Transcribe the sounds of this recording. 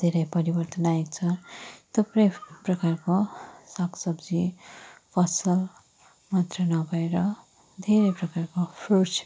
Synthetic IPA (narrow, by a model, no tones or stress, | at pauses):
d̪̥ʱeɾʌjpʌɾibʌrt̪ʌnaekt͡sʰʌt̪epɾʌjprʌkarkosaksʌbd͡zipʰʌsʌl | mʌt̪rʌnʌɡʱʌeɾʌ | d̪ʱeɾʌjprʌkarkopʰrut͡ʃ